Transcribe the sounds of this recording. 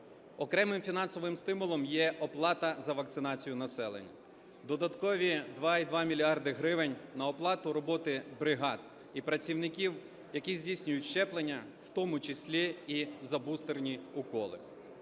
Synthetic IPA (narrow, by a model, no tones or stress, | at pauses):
ɔkɾɛmɪmfʲinɑnsɔʋɪmst̪ɪmʊlˠɔmjɛʔɔplˠɑt̪ɐzɐʋɐk̚t̪sɪnɑt͡sʲijʊnɐsɛlˠḛnʲːɐ̰ | d̪ɔd̪ɐt̪kɔʋʲid̪ʋɑid̪ʋɑmʲilʲiɑrd̪ɪɦɾɪʋɪnʲnɐɔplˠɑt̪ʊɾɔbɔt̪ɪbɾɪɦɑd̪ | ipɾɐt͡sʲiwnɪkʲiw | jɐkʲizʲdʲijsʲnʲʊjʊtʲʃt͡ʃɛplˠenʲːɐw̥t̪ɔmʊt͡ʃɪsʲlʲiːzɐbust̪ernʲiʊkɔlˠɪ̰